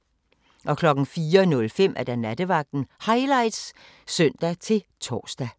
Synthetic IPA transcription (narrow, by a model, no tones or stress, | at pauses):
ʔɒ̽kʰlɒ̽ɡ̥n̩fiːɐnɔ̽lfem̰ʔæɐd̥ænæd̥əʋɑ̈ɡ̥̚d̥n̩hɑ̈ɪlɑ̈ɪ̰d̥s | sœn̰d̥æt͡sʰe̝lt͡sʰɒ̰ːsd̥æ